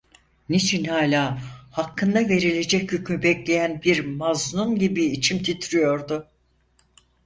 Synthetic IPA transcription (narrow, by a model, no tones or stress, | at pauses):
nit͡ʃʰinhaːlʲaːhakʰːɯnd̪ave̞ɾilʲe̞d͡ʒɛcjøcmybɛclʲe̞jænbiɾmaznunɟibiːt͡ʃʰimt̪ʰit̪ʰɾijo̞ɾd̪ʊ